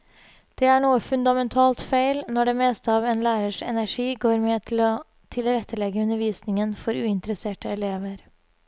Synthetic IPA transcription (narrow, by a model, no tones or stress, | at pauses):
d̪̥eːæɳuːəfʉnd̪ɑmɛnt̪ʰɑːlt̪fæɪlnɔɖeːmeːst̪əɑːʋɛnlæːɾəʂɛ̰næʂiːɡoːɾmɛt̪ʰl | t̪ʰɪlɾɛt̪ʰːəlɛɡəʉnəɾʋiːsnɪŋənfɔɾʉːɪnt̪ɾəseːʈəɛleːʋəɾ